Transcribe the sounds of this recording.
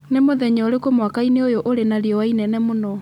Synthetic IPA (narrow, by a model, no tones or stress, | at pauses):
nemoðɛɲɔoɾekomwakaineojoʔoɾenaɾiɔwainɛnɛmonɔ